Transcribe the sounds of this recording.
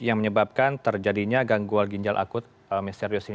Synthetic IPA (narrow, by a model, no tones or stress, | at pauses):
jaŋməɲəbap̚kant̪ərd͡ʒadiɲaɡaŋɡualɡiɲd͡ʒalʔa̰kʊt̪̚ | əmɛst̪ɛriosi